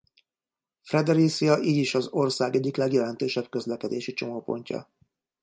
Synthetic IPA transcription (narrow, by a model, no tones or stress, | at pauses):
frɛd̪ɛɾisijɒʔiːɟiʃɒzo̞rsaːɡɛɟːiklɛɡjɛlɛnt̪øːʃɛb̚kø̞zlɛkɛd̪eːʃit͡ʃo̞moːpo̞̰ɲcɒ̰